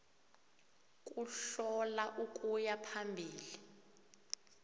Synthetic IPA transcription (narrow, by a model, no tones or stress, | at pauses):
kʼuɬɔlaʔukʼujapʰambʱiːli